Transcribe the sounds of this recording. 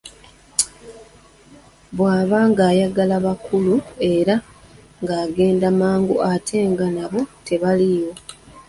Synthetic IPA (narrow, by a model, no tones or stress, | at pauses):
βwaːβaːŋɡaːjaɡalaβakulue̞ɾa | ŋɡaːɡe̞ːndamaːŋɡṵʔatʰe̞ːŋɡanaβo̞te̞βalijo̞